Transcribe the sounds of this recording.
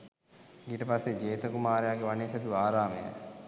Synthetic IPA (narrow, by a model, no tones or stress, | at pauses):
ɡiʈəpasːed͡ʒeːt̪əkumaːɾejaɡeʋaneːsɐd̪uaːɾaːmejə̰